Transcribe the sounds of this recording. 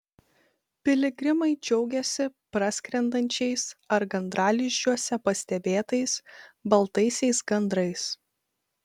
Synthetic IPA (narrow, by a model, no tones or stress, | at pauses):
pʲɪlʲɪɡʲɾʲɪmɐɪd͡ʒʲɛʊɡʲɛsʲɪpɾɑsʲkɾʲɛnd̪ɐnʲt͡ʃʲɛɪsɐɾɡɐnd̪ɾɑːlʲɪʃʲt͡ʃʲuɔsʲɛpɐsʲt̪ʲɛbʲeːt̪ɐɪsbɐlˠt̪ɐɪsʲɛɪsɡɐnd̪ɾɐɪs